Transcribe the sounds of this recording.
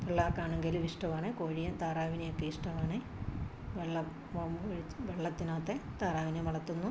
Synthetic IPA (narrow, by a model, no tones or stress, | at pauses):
ʋeɭːaːkːaːɳeŋɡiliʂʈɐʋaːɳɨkoːɻijɐt̪aːɾaːʋinejokːeiʂʈɐʋaːɳɨ | ʋeɭːɐ | ʋɐmoɻiʋeɭːɐt̪ːinaːt̪ːet̪aːɾaːʋinemɐɭɐt̪ːunːu